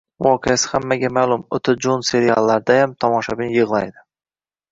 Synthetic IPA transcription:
vɒqʰejasɪ̥hamːaɡʲamaːlˠʊmʊt̪ʰɪd͡ʒonse̞ɾia̰lˠːaɾd̪ajamt̪ʰɒmɒʃabɪnjɨʁlˠa̰jd̪ɪ

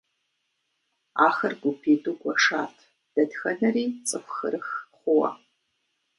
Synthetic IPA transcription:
aːxɐrɡʷʊpʰeːduɡʷɔʂaːtʰ | d̥ɐdxɐnɐriːt͡sʼɨxʷxɨrɨxχʷʊwɐ̰

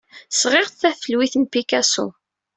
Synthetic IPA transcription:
sʁɪʁθθæfəlwiθənpikæsṵ

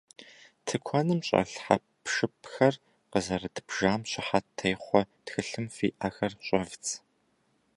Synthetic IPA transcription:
tʰɨkʷʰɔnɨmɕʼɐ̰ɬħapʂɨpxɐr | qəzɐrɨdbʒaːmɕɪħatʰːɐjχʷɔtxɨɬɨmfḭːʔaːxɐrɕʼɐvt͡sʰʼ

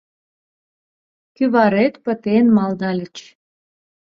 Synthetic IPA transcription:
kyβɑɾet̪pə̆t̪enmɑlnɑlʲət͡ɕ

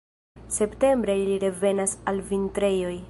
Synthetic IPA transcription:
se̞pte̞mbɾeliɾe̞ve̞nasalvintɾe̞jo̞j

